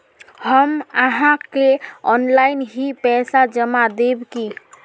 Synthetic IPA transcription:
həməɦãkeɔnlaɪnɦipɛsad͡ʒəmad̪ebki

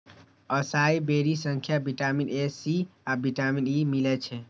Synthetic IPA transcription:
əsaibeɾisəŋkʰjabiʈaminesiabʱiʈaminimilɛt͡ʃʰɛ

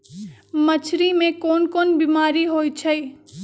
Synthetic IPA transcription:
mət͡ʃʰɾimẽkoːnkonbimaːɾiɦoːjt͡ʃʰəj

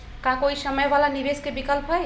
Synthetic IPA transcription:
kãkoisəməjʋalanibeskebikəlpɦɔj

